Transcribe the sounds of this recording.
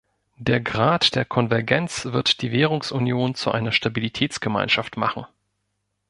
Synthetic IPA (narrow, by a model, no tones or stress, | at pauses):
d̥eːɐɡʁaːtd̥eːɐkʰɔnvɛɐɡɛnt͡sv̥ɪɐtd̥iːveːʁʊŋsʔunjoːnt͡suʔa̰ɪnɐʃtabilitʰɛːt͡sɡ̥əma̰ɪnʃaftmaχn̩